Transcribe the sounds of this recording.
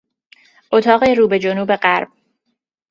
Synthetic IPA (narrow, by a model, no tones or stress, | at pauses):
ʔot̪ʰɒːɣeɾuːbe̞d͡ʒonuːbe̞ɢæɾb̥̚